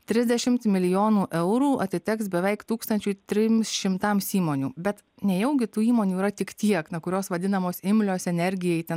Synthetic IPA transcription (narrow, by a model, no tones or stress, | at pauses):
t̪ʲɾʲɪzʲd̪ʲɛʃʲɪmt̪mʲɪlʲɪjoːnuːʔɛʊɾuːɐt̪ʲɪt̪ʲɪksbʲɛʋʲɛɪkt̪uːkst̪ɐnʲt͡ʃʲʊɪt̪ʲɾʲɪmʲsʃʲɪmt̪ɐmsiːmoːnʲuːbʲɛt̪ | nʲɛjɛʊɡʲɪt̪uːiːmoːnʲuːiɾɐt̪ʲɪkt̪ʲiɛknukʊɾʲoːsʋɐd̪ʲɪnɐmoːsɪmʲlʲoːsɛnʲɛɾʲɡʲɪjɛɪt̪ʲɛ